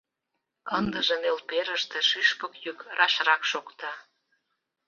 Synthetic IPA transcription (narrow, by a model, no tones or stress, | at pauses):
ənd̪əʒenelpeɾəʃt̪eʃyʃpəkjykrʔɑʃrɑkʃokt̪ɑ